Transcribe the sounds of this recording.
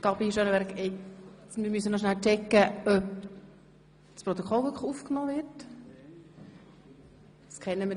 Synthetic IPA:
kɑpiʃønəʋɛɾkɛ | mɪɾmysənɔʃ̬nælt͡ʃɛkːəœp | spɾɔt̪okʰχɔlvʏkʰχufknɔːʋɪɾt | skʰɛnːəmɪ

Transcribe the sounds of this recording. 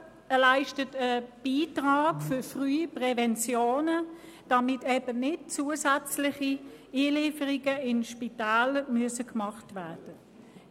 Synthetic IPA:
laɪʃtətəb̥iːtʁaːɡfʏfʁyːpʁɛvɛnt͡sjoːnə | d̥ɑmɪtɛbənɪt̚t͡suːəsæt͡slɪχiiːliːfəʁiɡəɪnʃpitaːlmyəsəkmɑχtvæɐd̥ə

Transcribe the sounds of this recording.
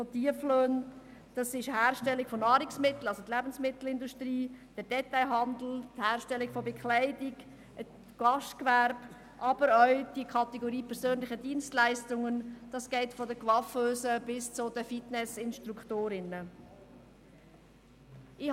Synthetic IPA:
fɔtiəfløːn | d̥ɑsɪʃhæːɾʃtɛlːikfɔnɑːɾɪksmɪt̪l̩ɑlsot̪læbən̩smɪt̪l̩ɪnduʃtɾiːd̥ədɛtaɪɦɑndl̩thæːɾʃtɛlːikfɔbɛkχlæɪdɪɡ | ɡ̥ɑʃtkvæɾb̥ | ʔɑb̥əɾœʊd̥ikʰɑtɛɡoɾiːpʰɛɾsøːnlɪχədiənstlæɪstʊŋənd̥ɑsɡ̥ɛɪtfɔdəkvɑføːsəb̥ɪst͡sʊdəfitnɛsɪnʃtɾuktoːɾɪnə | ɪ

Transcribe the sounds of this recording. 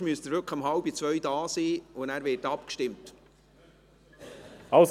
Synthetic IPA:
myəst̪əɾvʏkχəmɦɑlbit͡svœɥdɑːsiːʊnæːɾvɪːtɑpkʃtɪmt | ɑs

